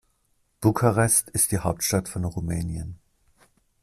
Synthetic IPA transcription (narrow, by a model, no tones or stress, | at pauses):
b̥ukʰaʁɛstɪst̚d̥iːhaʊp̚tʃtatfɔnʁumɛːnjən